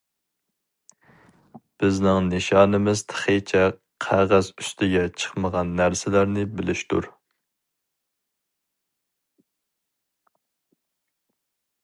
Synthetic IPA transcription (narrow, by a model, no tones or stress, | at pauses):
b̥ɪznɪŋnɪʃɑnɪmɪz̥t̪ʰə̥χet͡ʃʰɛ | qʰæʁæzyst̪ʰɪɡʲɛt͡ʃʰə̥χməʁɑnːæɾsɪlæɾnɪbɪlɪʃt̪ṵɾ